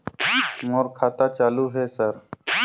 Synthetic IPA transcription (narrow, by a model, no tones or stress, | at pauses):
moːɾkʰaːt̪aːt͡ʃaːluːɦeːsəɾ